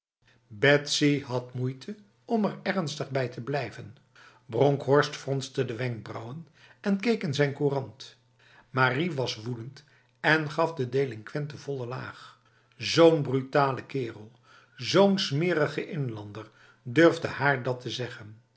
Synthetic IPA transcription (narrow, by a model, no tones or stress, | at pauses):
bɛtsiɦɑtmujtʰə | ɔmɛɹɛrnstəχbɛjtʰəblɛjvən | brɔŋkɦɔɹstfrɔnstədəʋɛŋk̚brʌwən | ɛnkejkɪnzɛjnkurɑnt | maːriʋɑsʋudənt | ɛnχɑfdədejlɪŋkʋɛntəvɔlˠəla̰ːχ | zownbrytaːləkɪːrəlˠ | zownsmɪːɾəχəʔɪnlɑndəɹ | dørvdəhaːɹdɑtəzɛχən